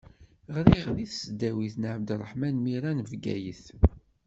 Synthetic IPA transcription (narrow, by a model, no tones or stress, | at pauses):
ʁɾiʁðiθsəd̪æwiθnəʕəbd̪rˤːəħmænmiɾænvɡæ̰jəθ